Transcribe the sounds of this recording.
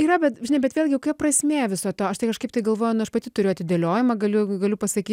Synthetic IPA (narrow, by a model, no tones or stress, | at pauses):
iːɾɐbʲɛt̪ʒʲɪnɐɪbʲɛt̪ʋʲeːlʲɡʲɪoʊkʲɛpprɐsʲmʲeːʋʲɪsoːt̪oːɐʃt̪ɐɪkɐʃkɐɪp̚t̪ɐɪɡɐlˠʋoːjʊnʊɐʃpɐt̪ʲɪt̪ʊɾʲʊʊɐt̪ʲɪd̪ʲeːlʲoːjɪmɐɡɐlʲʊɡɐlʲʊpɐsɐkʲiː